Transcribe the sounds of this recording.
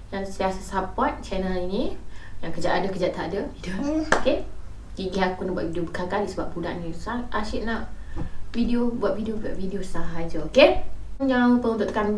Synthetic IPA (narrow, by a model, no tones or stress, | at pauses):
jansiasəsapat̪̚t͡ʃɛnəlinĩjaŋkəd͡ʒaʔ̪adəkəd͡ʒaʔt̪adədəoke | tiɡiakunəbua̰ʔ̚videobəkakadisəbap̚uda̰nnĩsaaʃiʔ̚naʔvideobuat̪̚videobiaʔ̚videosaɦad͡ʒəokejaŋpəunt̪ʊʔt̪əkan